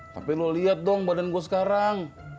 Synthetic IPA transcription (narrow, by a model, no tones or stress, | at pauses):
t̪a̰piloliat̪̚dɔŋbadanɡuas̬ə̥kaɾaŋ